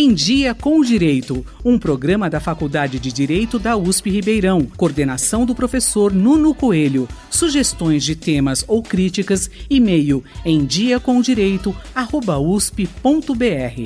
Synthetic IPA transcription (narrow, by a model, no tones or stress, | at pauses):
ẽj̃d͡ʒiɐkõw̃ʊd͡ʒiɾejt̪ʊ | ũpɾoɡɾɐ̃mɐd̪ɐfakud̪ad͡ʒɪd͡ʒɪd͡ʒiɾejt̪ʊd̪ɐuspɪhibejɾɐ̃w̃koɾd̪enasɐ̃w̃d̪ʊpɾofesoɾnũnʊkoelʊ | suʒest̪õj̃zd͡ʒɪt̪ẽmɐzowkɾit͡ʃikɐsimejʊẽj̃d͡ʒiɐkõw̃ʊd͡ʒiɾejt̪ʊahobɐuspɪpõnt̪ʊbeɛhɪ̰